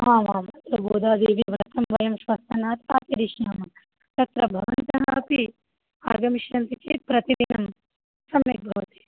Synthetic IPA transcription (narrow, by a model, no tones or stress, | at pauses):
ɦaːʋaːmat̪ɾɐboːd̪aːd̪eːʋiʋɾɐt̪ʰɐmʋɐjɐmʃʋɐst̪ɐnaːt̪a̰ːt̪iɾiʃjaːmɐ | t̪ɐt̪ɾɐbʱɐʋɐnt̪ɐɦɐpi | a̰ːɡɐmiʃjɐnt̪it͡ʃḛːt̪̚pɾɐt̪id̪inɐm | sɐmjɐ̰k̚bʱɐʋɐt̪i̥